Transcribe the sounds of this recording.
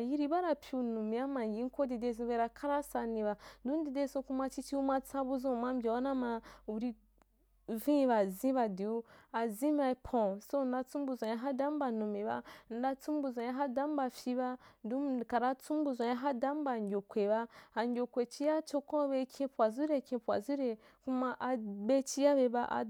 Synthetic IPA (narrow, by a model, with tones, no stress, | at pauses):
a˨ji˦ɾi˦ba˦ɾa˨pʰʲu˨nu˨mi˨˦a˦ma˨ɡi˨˦ko˦di˨de˧˦˨z̬ĩ˧we˧˦ɾa˧kʰa˦ɾa˦sa˧ni˨βa˨n˦du˦n˦di˨de˦sũ˧ku˧˦ma˧t͡ʃi˦t͡ʃi˦u˦ma˦t͡sa˦bu˦zũ˦˨ma˦m˦bʲa˨wa˦na˦ma˧u˨ɾi˧ | vĩ˦˨˦βa˨zĩ˦βa˧di˨u˦a˨zĩ˦ma˧i˧˦pʰɔ̃˨so˦˨n̩˦da˧t͡sũ˦m˦bu˨zʷã˨ja˦ɦa˦da˨˦m˦ba˨nu˨me˨βa˦n̩˨˦da˦t͡sũ˦m˦bu˨zã˨ja˦ɦa˦da˨˦m˦ba˨fi˦βa˦ndu˦˨ka˨ɾa˦t͡sũ˦m˦bu˨zʷã˨ja˦ɦa˦da˦m˦ba˨ɲɡʲo˨kʷwe˨βa˦a˨ɲɡʲo˨kʷe˨t͡ʃi˦ja˦t͡ʃo˧kɔ̃˦βe˧˦kʰʲĩ˦pu˨a˨zu˦ɾe˨kĩ˧pu˨a̰˨zu˦ɾe˨ | ku˦ma˧ʔa˧be˦t͡ʃi˦ja˦βe˧˦ba˦ʔa̰˨